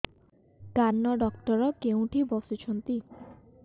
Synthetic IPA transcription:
kanːɔɖɔkʈɔɾɔkeũʈʰibɔsit͡ʃʰɔnt̪i

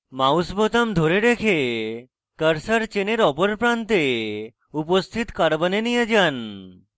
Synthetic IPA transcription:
mausbɔt̪amd̪ʱoɾeɖ̪ekʰe | kəɾsaɾt͡ʃeneɾɔpɔɾpɾant̪e | upost̪ʰit̪kaɾbənenijəd͡ʒan

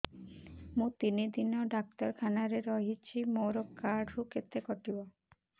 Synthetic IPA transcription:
mũt̪inid̪inoɖak̚t̪ɔɾkʰanaɾeɾɔɦit͡ɕʰimowɾokːaɾɖɾuket̪ːekɔʈibo

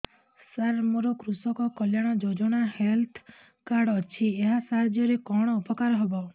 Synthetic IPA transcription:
saɾmoɾɔkɾusɔkɔkɔljaɽ̃ɔd͡ʒod͡ʒɔɽ̃ahelt̪ʰ | kaɾɖɔt͡ʃʰieɦasaɾd͡ʒjɔɾekɔɽ̃ɔupɔkaɾɔɦebɔ

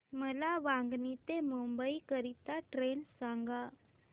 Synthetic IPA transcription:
məlaʋãŋɡnit̪emumbəikəɾit̪aʈɾensaŋɡa

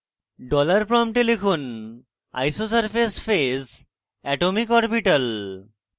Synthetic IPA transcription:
ɖɔlaɾfɾɔmʈelikʰon | a̰jsosaɾpesfes | ɛʈomikɦɔɾbiʈɐl

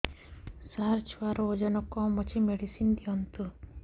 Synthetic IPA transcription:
saɾt͡ʃʰuwaɾod͡ʒɔnɔkɔmɔt͡ʃʰimeɽisind̪iɔnt̪u

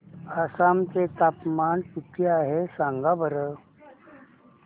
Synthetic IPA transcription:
asamt͡set̪apmanpuʈʰeaɦesãŋɡabəɾə

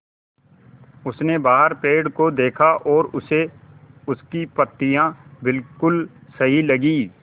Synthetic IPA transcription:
ʊsnebaːɦəɾpeːɽkod̪eːkʰaʔɔːɾʊseʊskipɐt̪ːijãbɪlkʊlsɐɦilɐɡiː

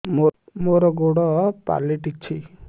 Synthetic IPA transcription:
momoɾɔɡoɽɔpa̰liʈit͡ʃʰi

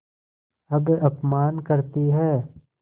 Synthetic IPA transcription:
ɐbɐpmaːnkɐɾt̪iɦɛː

